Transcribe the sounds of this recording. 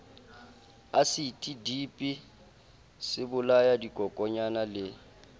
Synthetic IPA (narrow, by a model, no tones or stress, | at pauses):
asɪtʼidipʼi | sɪbʊlajadikʼɔkʼɔɲanalɪ